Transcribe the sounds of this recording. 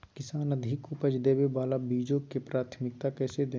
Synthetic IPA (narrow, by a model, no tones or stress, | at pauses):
kɪsaːnəd̪ʱɪkupəd͡ʒd̪eːwebaːlabiːd͡ʒõkepɾaːt̪ʰmɪk̚t̪akɛːsed̪ẽː